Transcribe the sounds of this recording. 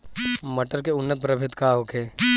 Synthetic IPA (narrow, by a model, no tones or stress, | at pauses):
mɐʈəɾkeʊnːət̪̚pɾəbʱɪt̪kaɦokeː